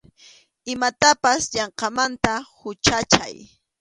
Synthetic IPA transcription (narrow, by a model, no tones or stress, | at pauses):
ɪmat̪apasʎɑɴqɑmant̪ahʊt͡ʃat͡ʃa̰j